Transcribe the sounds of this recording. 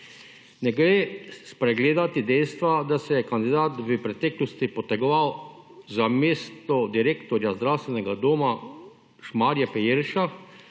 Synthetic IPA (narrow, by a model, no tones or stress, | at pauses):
nɛɡɾeːspɾɛɡleːd̪at̪id̪ɛjst̪ʋad̪asɛjɛkand̪id̪aːt̪ʋəpɾɛt̪ɛːklɔst̪ipɔt̪ɛɡɔʋaw | zameːst̪ɔd̪iɾeːkt̪ɔɾjazd̪ɾawst̪ʋɛnɛɡad̪oːma | ʃmaːɾjapɛjeɾʃa